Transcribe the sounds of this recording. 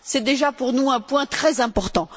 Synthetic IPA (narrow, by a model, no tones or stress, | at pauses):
sɛd̪eʒapuʁnuɛ̃pwɛ̃t̪χɛzɛ̃pɔʁt̪ɑ̃